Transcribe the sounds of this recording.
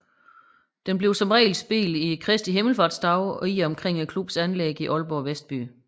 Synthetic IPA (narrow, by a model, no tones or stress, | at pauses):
d̥enb̥le̝ʊsɒ̽mʁɛ̰ːɪlsb̥ḭːlikʰʁɛsd̥iɦe̝ml̩fɑ̈ːd̥sd̥ɑ̈ʊiɒ̽mkʰʁeŋ̰ekʰlub̥sænleɡ̥iʔɒ̽lb̥ɒ̰ːʋesd̥̚b̥y̰ː